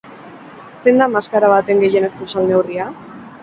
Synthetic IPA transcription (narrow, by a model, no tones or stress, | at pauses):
se̞nd̪amaskaɾaβat̪e̞ŋɡe̞je̞ne̞skusalne̞wria